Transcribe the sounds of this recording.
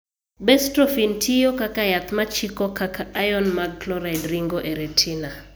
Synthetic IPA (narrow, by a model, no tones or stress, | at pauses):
bɛstɾofintʰijokakajat̪mat͡ʃikɔkakaajɔnmaɡ̚klɔɾadɾiŋɡoʔeɾetʰina